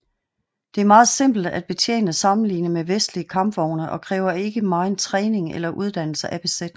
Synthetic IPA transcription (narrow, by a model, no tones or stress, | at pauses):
d̥e̝æɐmɑ̈ːð̞̩ˠse̝m̰b̥l̩d̥æd̥̚b̥e̝t͡sʰjḛːnəsɑ̈mn̩lḭːnəmeʋesd̥liəkʰɑ̈mb̥ʋɒʊ̰nəʔɒ̽kʰʁɛ̰ːʊɐe̝ɡ̥əmɑ̈ɪnt͡sʰʁɛːne̝ŋḛlɐʔuð̞ˠd̥æn̰l̩səʔæb̥e̝sed̥